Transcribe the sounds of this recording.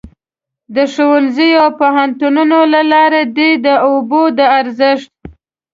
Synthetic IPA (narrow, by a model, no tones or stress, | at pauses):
d̪əʂowəlzəjopoɦant̪ununolalɑɾed̪ed̪əobod̪əaɾzəʂt̪̚